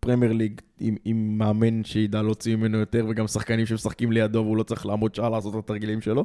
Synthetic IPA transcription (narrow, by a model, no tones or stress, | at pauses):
pʁemjeʁliɡimimːeaminʃeid̪alo̞t͡simimenojot̪eʁveɡamsaχkanimʃemesaχkimle̞jad̪o̞veulo̞t͡saʁiχlaːmo̞d̪̚ʃaalaːso̞t̪t̪at̪aʁɡilimʃelo̞